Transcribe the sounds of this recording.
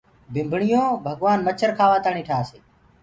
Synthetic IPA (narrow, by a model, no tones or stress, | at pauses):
bʱɪmbʱɳɪjõːbʱəɡʋaːnmət͡ʃʰəɾkʰaːʋaːt̪aːɳiːʈʰaːseː